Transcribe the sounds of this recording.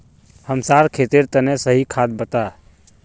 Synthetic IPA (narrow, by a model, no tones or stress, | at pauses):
həmsaɾkʰet̪iɾt̪ənesəɦikʰad̪̚bət̪a